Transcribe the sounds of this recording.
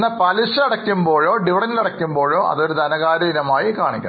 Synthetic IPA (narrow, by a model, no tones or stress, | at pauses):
nːɐpɐlisɐɐɽɐkʲːumbo̞ːɭo̞ːɖiʋiɽɐnilɐɽɐkʲːumbo̞ːɭo̞ːʔɐ̰ðo̞ɾud̪ʱɐnɐɣaːɾɐinɐmaːjikaːɳikʲːɐ̰